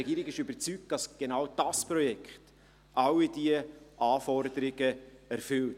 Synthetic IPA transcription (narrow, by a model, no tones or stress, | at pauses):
ɛɡiːɾɪɡɪʃybəɾt͡syk̚td̥ɑsɡ̥enawd̥ɑspɾɔjɛkχt | ʔɑwid̥iəʔɑːfɔɾdəɾɪɡəæɾfʏlt